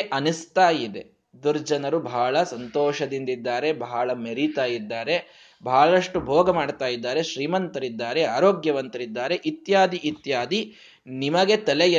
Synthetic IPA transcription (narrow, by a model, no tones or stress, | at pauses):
ʔɐnist̪aːjid̪e̞̰ | d̪uɾd͡ʒɐnɐɾubʱaːɭɐsɐnt̪ɔːʃɐd̪ind̪id̪ːaːɾe̞bʱaaɭɐmeɾit̪aːjid̪ːaːɾe̞ | bʱaːɭɐʂʈubʱɔːɡɐmaːɖt̪aːjid̪ːaːɾe̞ʃɾiːmɐnt̪ɐɾid̪ːaːɾeaːɾoːɡjɐʋɐnt̪ɐɾid̪ːaːɾeʔit̪jaːd̪iʔit̪jaːd̪i | nimɐɡe̞t̪ɐlejɐ